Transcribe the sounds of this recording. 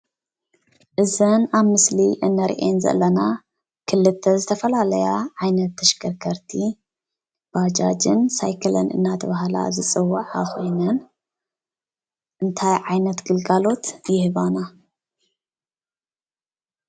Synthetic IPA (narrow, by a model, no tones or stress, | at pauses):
ʔɨzɐnaβmɨsliʔɨnːɐɾ̰ʔenzɐ̰ʔlːɐna | kʰɨlːɨt̪ʰːɐzɨt̪ʰɐfɐlalɐjaʕajnɐt̪ːɐʃɡɐɾkʰɐɾt̪ʰi | b̥ad͡ʒad͡ʒɨnsajkʰɐlɐ̰nɨ̰nːat̪ʰɐβahla̰zɨt͡sʼɨwːaʕaxo̞jnɐn | ʔɨnt̪ʰajʕajnɐt̪ɡɨlɡalo̞t̪jɪhɨβana